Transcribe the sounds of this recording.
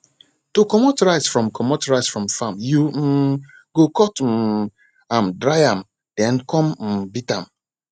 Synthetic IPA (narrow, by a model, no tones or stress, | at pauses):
tokɔmotɹaɪsfɹɔ̃mkʰɔmotɹaɪsfɹɔ̃mfamju | ɡ̥okɔtm̩ | ãmdɹajãm | d̥ɛ̃nkɔ̃mm̩bitãm